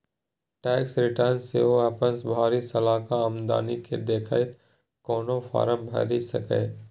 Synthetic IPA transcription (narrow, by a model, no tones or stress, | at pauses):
ʈɛːksɾɪʈəɾnsḛɦoapənsbʱaːɾisɐlaːkaəmd̪a̰ːnikḛd̪eːkʰa̰ɪt̪ | kɔːnofʰa̰ːɾəmbʱɐ̰ɾisɐ̰kḛː